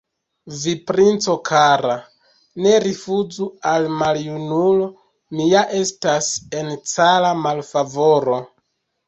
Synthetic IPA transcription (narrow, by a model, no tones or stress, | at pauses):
vipɾint͡so̞kʰaɾa | ne̞ɾifuzualmaljunulo̞ | mijaʔe̞stase̞nt͡salamalfavo̞ɾo̞